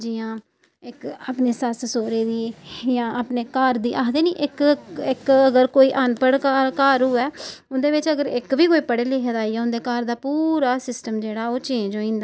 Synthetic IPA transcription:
d͡ʒiːãː | ɪkaːpneːsassoːɾeːd̪iːjãːʔaːpneːkaːɾd̪iːʔaːd̪eːniːʔɪkɪkəɡəɾkoːiːʔanpəɽkaːɾkaːɾuːɛːʊnd̪eːʋɪt͡ʃəɡəɾɪkʋiːkoːiːpəɽeːleːɦəd̪aːiːɛːʊ̃nd̪eːkaːɾd̪aːpuːɾaːsɪsʈəmd͡ʒeːɽaːoːt͡ʃẽːd͡ʒoːĩːnd̪aː

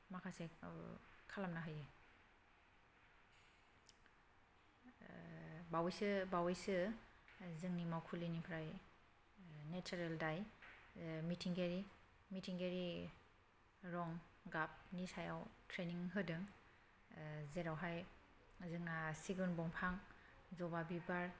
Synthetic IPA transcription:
makʰase | kʰalamnaɦɯjɯ | bawjsɯbawijsɯ | zɯŋnimawkʰulinipʰɾaj | net͡ʃaɾeldaj | mitʰiŋɡeɾi | mitʰiŋɡeɾi | ɾɔŋɡap̚nisajawtʰɾeniŋɦɯdɯŋ | zeɾawɦaj | zɯŋnasiɡɯnbɔŋpʰaŋ | zɔbabibaɾ

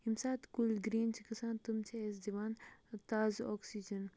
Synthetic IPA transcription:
imsaːt̪kulɡɾiːnt͡ʃʰikɐsaːnt̪umt͡ʃʰies̬d͡ʒɐʋaːnt̪aːzoːksid͡ʒɐn

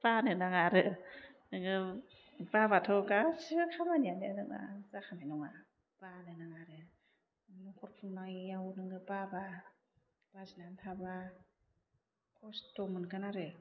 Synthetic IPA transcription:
panɯnaŋaɾɯnɯŋɯ | pabat̪ʰokasɯkʰamanininɯŋa̰sakʰananɔŋa | panɯnaŋaɾɯ | nɔŋkʰot̚pʰunlaŋjawnɯŋɯpaba | basinant̪ʰaba | kʰostomɯnkanaɾɯ

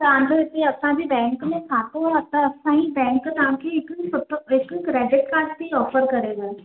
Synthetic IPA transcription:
t̪ãːnd̪ət̪iɐpsãbʱibɛ̃ːŋkmẽkʰaːt̪oɐt̪ãɐpsãibɛ̃ːŋkt̪ãːkiɪksʊt̪ɪkkɾɛːɖɪʈkaːstiɔːfəɾkɐɾeːɡaː

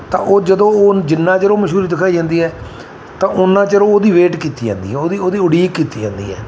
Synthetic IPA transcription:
t̪ã̰ːʔoːd͡ʒəd̪õːoːd͡ʒɪnːãːt͡ʃəɾõːməʃɦuːɾiːd̪ɪkʰaːiːd͡ʒãːnd̪iːɦɛː | t̪ãːʔʊnːãːt͡ʃəɾõːoːd̪iːʋeːʈkiːt̪iːd͡ʒã̰ːnd̪ḭːɦɛːoːd̪iːoːd̪iːʊɽiːkːiːt̪iːd͡ʒã̰ːnd̪ḭːɦɛ̰ː

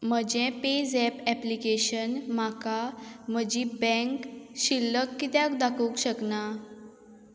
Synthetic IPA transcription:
m̤əd͡ʑẽped͡zɛpɛplikeɕənm̤akam̤əd͡ʑibɛ̃ŋkɕilːəkːit̪jakd̪akʰəkɕəkna

